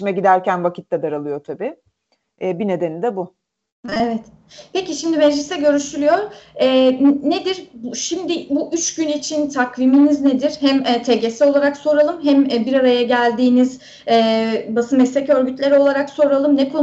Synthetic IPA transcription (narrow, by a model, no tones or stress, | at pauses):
imɛɟid̪æɾcænvakcʰi̥t̪ːad̪aɾalˠɯjot̪ʰabi | ɛːbine̞d̪e̞nid̪ɛbu | evɛt̪ | peciʃimd̪imɛd͡ʒlʲisɛɟø̞ɾyʃylʲyjoɾɛːned̪iɾbʃimd̪ibuʔyt͡ʃɟynit͡ʃʰint̪ʰakviminizned̪iɾhæmɛːt̪ʰe̞ɟe̞sio̞lˠaɾakso̞ɾalˠɯmɦæmɛbiɾaɾajaɟælʲd̪iːniz | ɛːbasɯmɛslʲecø̞ɾɟyt̪lʲe̞ɾio̞lˠaɾakso̞ɾalˠɯmnɛkʰo